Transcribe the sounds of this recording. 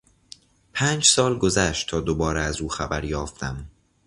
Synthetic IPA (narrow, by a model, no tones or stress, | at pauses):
pʰæːnd͡ʒsɒːlɡozæʃtt̪ʰɒːd̪obɒːɾeæzuːxæbæɾjɒːft̪ʰæm